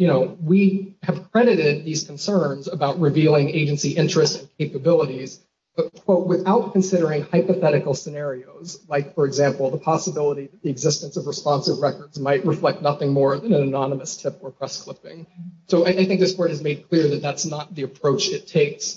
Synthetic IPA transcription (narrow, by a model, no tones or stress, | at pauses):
jɨñoʊwiɨv̥kʰɹ̥ɛɾɨɾɪd̪̚ðiz̥kʰn̩sɜ̃˞nzəbaʊt̚ɹɨvilˠɪ̃ŋeɪd͡ʒɨ̃nsiʔɪ̃nt͡ʃɹ̥ɨstn̩kʰeɪpɨbɪlˠəɾiz̥ | ʌkʰw̥oʊt̚wɨθaʊt̚kʰnsɪɾə˞ɪ̃ŋhaɪpɨθɛɾɨkl̩ˠsɨnɛɹioʊzlaɪkfə˞ɨɡzæ̃mpl̩ˠðəpʰɑsəbɪlˠəɾiðɨt̪̚ðiɨɡzɪstɨ̃nsʌvɹɨspɑ̃nsɨvɹɛkə˞dzmaɪʔ̚ɹɨflɛk̚t̚ⁿnʌθɪ̃ŋmɔɹðɨ̃nɨ̃nɨnɑnəmɨstʰɪpə˞pʰɹ̥ɛskʰl̥ɪpɪ̰̃ŋsoʊaɪʔaɪθɪ̃k̚ðɨskʰɔɹɾ̚ɨzmeɪd̚kʰl̥ɪɹðɨt̪̚ðætsnət̪̚ðiɨpʰɹ̥oʊt͡ʃɨtʰeɪks